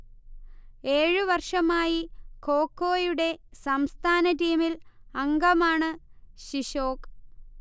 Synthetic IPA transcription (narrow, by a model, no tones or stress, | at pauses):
e̞ːɻɨʋɐrʂɐmaːjiko̞ːkːo̞ːjuɽe̞sɐmst̪ʰaːnɐtiːmilɐŋɡɐmaːɳɨɕiɕo̞ːk